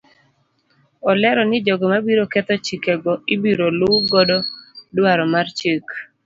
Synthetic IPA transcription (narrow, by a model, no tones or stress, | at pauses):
ɔlɛɾɔnɪd͡ʒɔɡɔmabiɾokɛt̪ɔt͡ʃikɛɡɔɪbiɾolʊɡɔdɔdwaɾɔmart͡ʃek